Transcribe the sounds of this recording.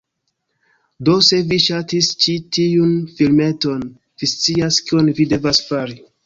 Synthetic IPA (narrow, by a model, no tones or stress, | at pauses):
do̞se̞viʃatist͡ʃitiunfilme̞to̞n | v̥ist͡siaskionvide̞vasfaɾi